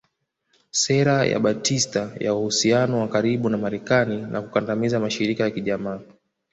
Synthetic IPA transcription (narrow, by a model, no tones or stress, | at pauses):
sɛɾaja̰ɓatʰistaja̰uhusianɔwakaɾiɓunamaɾɛkaninʔa̰kukandamizamaʃiɾikajakiʄamaː